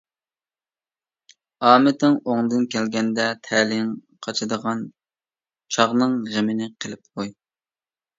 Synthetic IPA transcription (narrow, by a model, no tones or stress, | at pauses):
ɑːmɪt̪ɪŋoŋd̪ɨnkʲʰɛlɡʲɛnd̪ɛt̪ʰɛlɪŋ | qʰɑt͡ʃʰɨd̪əʁɑn | t͡ʃʰɑʁnɨŋʁemɪnɪqʰəlˠɪp̚qoj